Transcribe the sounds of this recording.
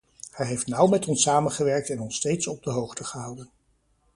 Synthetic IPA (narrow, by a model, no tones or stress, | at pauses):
hɛjɦejftnʌwmɛtɔnsaːmənχəʋɛɹk̚tɛnɔnstejtsɔb̚dəɦowχtəχəɦʌwdən